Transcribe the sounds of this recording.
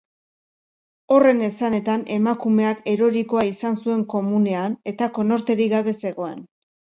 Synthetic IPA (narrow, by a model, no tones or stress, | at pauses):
o̞re̞ne̞sane̞t̪ane̞makume̞ake̞ɾo̞ɾiko̞aisansue̞ŋko̞mune̞ane̞t̪ako̞no̞ɾt̪e̞ɾiɣaβe̞se̞ɣo̞ḛn